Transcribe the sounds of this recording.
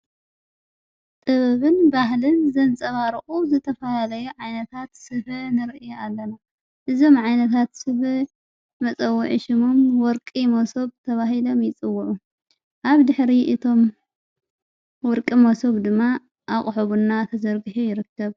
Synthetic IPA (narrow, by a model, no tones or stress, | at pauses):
t̪ʼɨβɐβɨnbaɦlɨnzɐnt͡sʼɐβaɾɨʔʼuzɨt̪ʰɐfɐlalɐjuʕajnɐt̪ʰat̪sɨβɨnɨɾʔɨjalːɐna | ʔɨzo̞mʕajnɐt̪ʰat̪sɨβɨ | mɐt͡sʼɐwːuʕiʃɪmomwɔɾkʼimɐsoβt̪ʰɐβaɦilo̞mjɪt͡sʼɨwːʊʕu | ʔaβd̪ɨħɾiʔɨt̪ʰo̞m | wɔɾkʼimosoβd̪ɨmːa | ʔakʼħoβunːat̪ʰɐzɐɾɡɨħujɪɾɨkːɐβ